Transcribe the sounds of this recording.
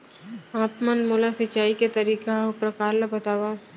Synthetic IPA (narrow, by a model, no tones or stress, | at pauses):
aːpmənmoːlasɪt͡ʃaːiket̪ɐɾiːkaʊpɾɐkaːɾlabɐt̪aːʋa